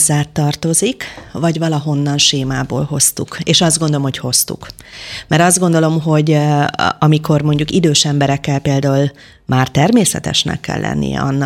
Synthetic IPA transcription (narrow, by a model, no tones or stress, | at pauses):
zːaːt̪ːɒrt̪o̞zikvɒɟvɒlɒɦo̞nːɒnʃeːmaːbo̰ːlɦo̞st̪ukeːʃɒzd̪ɡond̪o̞lomho̞cho̞st̪ṵkmɛɾɒzd̪ɡo̞nd̪o̞lo̞mɦo̞ɟ | ɒmikʰo̞rmo̞ɲɟukid̪øːʃɛmbɛɾɛkːɛlpeːld̪aːul | mʔaːrt̪ɛrmeːsɛt̪ɛ̰ʃnɛ̰kːɛ̰lːɛ̰nːʔḭjɛ̰ɒnː